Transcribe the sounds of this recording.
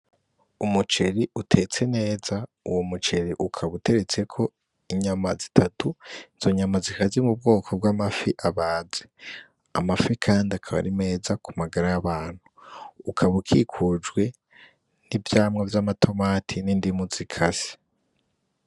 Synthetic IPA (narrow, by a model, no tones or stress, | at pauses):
umut͡ʃe̞ɾiutʰe̞t͡se̞ne̞ːza | uwo̞mut͡ʃe̞ɾiʔukʰaβute̞ɾe̞t͡se̞kʰo̞ | iɲamazitʰatuiz̥o̞ɲamazikazimub̚ɡo̞ːkʰo̞b̚ɡwaːmafiʔaβaːze | a̰mafikʰaːndakʰaβa̰ɾime̞ːzakʰumaɡaɾajaβaːn̥huːkʰaβukʰikʰud͡ʒɡwe̞ | nivjaːmŋavjaːmatʰo̞maːtʰinindimuzikʰasi̥